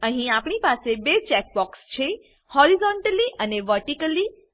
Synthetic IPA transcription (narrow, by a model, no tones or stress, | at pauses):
əɦĩapɳ̃ipasebet͡ʃɛk̚bɔkst͡ʃʰe | hɔɾizɔɳʈəliʔəneʋəɾʈikəli